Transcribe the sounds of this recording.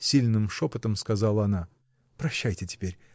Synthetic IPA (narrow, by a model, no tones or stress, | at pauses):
sʲilʲnɨmʂo̞pət̪əmskazɑlˠəɐna | pɾɐɕːæjtʲɪtʲɪ̥pʲeɾʲ